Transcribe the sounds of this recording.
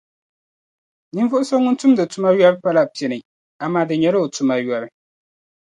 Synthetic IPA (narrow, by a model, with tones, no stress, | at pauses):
nɨ˦ɱ˦vʊ˦ʔʊ˦so˦ŋʊ˦n˦tu˦mdɨ˨tu˦ma˦jɔ˦bɨ˦pa˦la˨pi˨ɛ˨nɨ˨ | a˨maː˦dɨ˨ɲɛ˨˦ɾɨ˦o˨tu˦ma˦jɔ˦ɾɨ˦